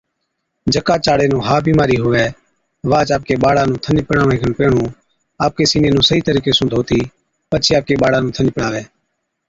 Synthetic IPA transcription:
d͡ʒʱəkaːt͡ʃaːɽeːnũːɦaːbiːmaːɾiːɦʊʋɛː | ʋaːt͡ʃaːp̚keːɓaːɽaːnũːt̪ʰənd͡ʒpəɽaːʋẽːkʰəɳpeːɳũː | aːp̚keːsiːnẽːnũːsəɦiːt̪əɾiːkeːsʊ̃nd̪ʱoːt̪iː | pət͡ʃʰeːaːp̚keːɓaːɽaːnũːt̪ʰənd͡ʒpəɽaːʋeː

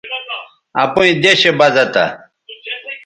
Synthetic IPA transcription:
ɐ̰puĩd̪eɕebɐzɐt̪a̰

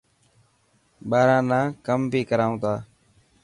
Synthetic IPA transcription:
ɓaːɾãːnãːkəmbʱiːkəɾaːũːt̪aː

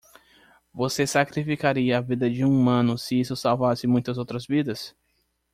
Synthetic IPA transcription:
vosesakɾifikaɾiɐːvid̪ɐd͡ʒɪũumɐ̃nʊsɪisʊsawvasɪmũj̃t̪ɐzowt̪ɾɐzvid̪ɐs

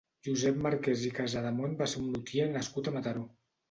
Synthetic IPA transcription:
ʒuzɛpmaɾkɛzikazaðamonbaseunːut̪ienəskut̪amat̪aɾo

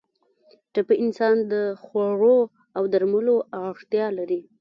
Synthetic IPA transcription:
ʈapəɪnsɑnd̪əxwaɽo | awd̪aɾməloaʂt̪jɑlaɾi

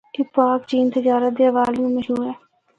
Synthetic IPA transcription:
kɪpaːkt͡ʃiːnt̪əd͡ʒaːɾət̪̚d̪eːəʋaːljũːməʃɦuːɾɛː

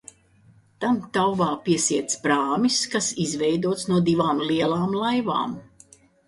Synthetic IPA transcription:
t̪amt̪awvaːpiɛsiɛt̪spɾaːmiskasizvɛjd̪uɔt̪snuɔd̪ivaːmliɛlˠaːmlˠajva̰ːm

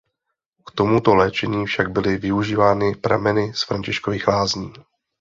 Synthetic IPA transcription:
kt̪o̞mut̪o̞lɛːt͡ʃɛɲiːfʃaɡ̚bɪlɪvɪuʒiːvaːnɪpɾa̰mɛnɪsfɾaɲcɪʃkoviːxlaːzɲiː

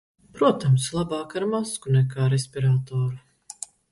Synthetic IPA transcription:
pɾuɔt̪amslˠabaːkaɾmaskunɛkaːɾesʲpʲiɾaːt̪ɔːɾu

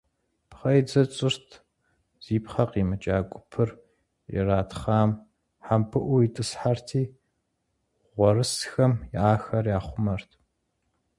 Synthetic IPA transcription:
pχɐjd͡zɐt͡sʼɪrtʰ | z̥iːpχɐqiːmɨt͡ʃʼaːɡʷʼʊpʰɨr | ɪ̰raːtχaːm | ħampʰɨʔʷʊitʼɨsħartʰiː | ʁʷɔrɨsxɐmjɪaːxɐrjaːχʷʊmɐrtʰ

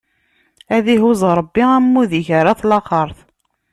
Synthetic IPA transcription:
æðiɦuzˤɾˤəbːiæmːuðiçəɾaθlɑqəɾˤθ

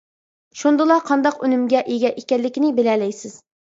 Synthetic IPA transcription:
ʃund̪ɨlˠɑqʰɑnd̪ɑqynɪmɡʲɛʔeɡʲɛʔekʲɛnlɪkʲinɪbelɛlɛjsɪz̥

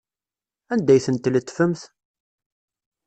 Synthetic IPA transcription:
ænd̪æjθənt̪ːlət̪ːfəmθ

